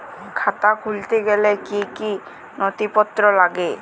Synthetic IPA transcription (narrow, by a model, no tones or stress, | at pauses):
kʰat̪akʰult̪eɡɛlekiki | nɔt̪ipɔt̪ːɾɔlaɡe